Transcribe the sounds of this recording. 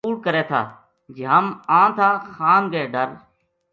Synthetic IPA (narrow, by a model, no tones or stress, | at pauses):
uːɽkəɾeːt̪ʰa̰ː | d͡ʒeɦəmãːt̪ʰaːxaːnɡeːɖəɾ